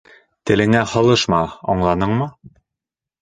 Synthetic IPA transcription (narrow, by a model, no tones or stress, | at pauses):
t̪ɘ̆lɘ̆ŋæhɤ̆lˠɤʃmɑɒ̰ɴlˠɑnɤɴmɤ